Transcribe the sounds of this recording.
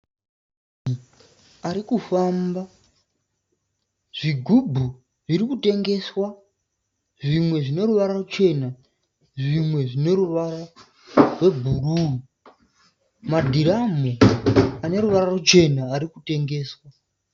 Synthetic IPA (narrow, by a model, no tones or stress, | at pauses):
i | aɾikufamba | ʐ̥iɡʱubʱu | ʐiɾikute̞ŋɡe̞swa | ʐimwe̞ʐine̞ruʋaɾarut͡ʃe̞na | ʐimwe̞ʐine̞ɾuʋara | rwe̞bʱuruu | madʱiɾamuane̞ɾuʋararut͡ʃe̞naːɾikute̞ŋɡe̞ːswa